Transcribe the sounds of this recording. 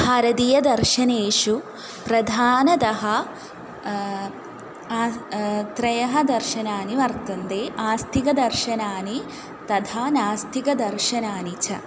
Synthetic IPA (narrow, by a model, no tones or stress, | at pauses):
hɐːɾɐd̪ijɐd̪ɐɾʃɐneːʃu | pɾɐd̪ʱaːnɐt̪ɐɦɐ | t̪ɾɐjɐɦɐd̪ɐɾʃɐnaːniʋɐɾt̪ɐnd̪eːʔaːst̪ʰikɐd̪ɐɾʃɐnaːni | t̪ɐd̪ʰʱaːnaːst̪ʰikɐd̪ɐɾʃɐnaːnit͡ʃʰɐ